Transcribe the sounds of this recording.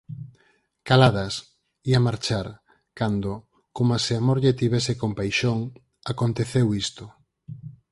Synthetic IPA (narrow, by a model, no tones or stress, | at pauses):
kalað̞ɐs | iamaɾt͡ʃaɾ | kand̪o | komaseamoɾʎet̪iβɛsekompajʃoŋ | akont̪eθewist̪o